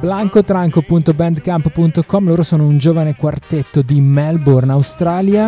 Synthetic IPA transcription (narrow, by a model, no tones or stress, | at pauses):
blaŋkot̪ɾaŋkopunt̪obɛnd̪kamppunt̪okɔmloːɾosoːnound͡ʒoːvanekwart̪et̪ːod̪imɛlbornawst̪ɾaːlja